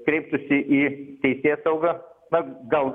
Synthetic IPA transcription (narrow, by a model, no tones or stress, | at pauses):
kɾʲɛɪp̚t̪ʊsʲɪʔit̪ʲɛɪsʲeːsɐʊɡɐnɐɡɐlˠɡ